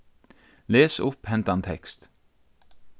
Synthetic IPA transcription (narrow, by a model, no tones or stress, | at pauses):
leːsɵpːhɛnt̪ant̪ʰɛ̰kst̪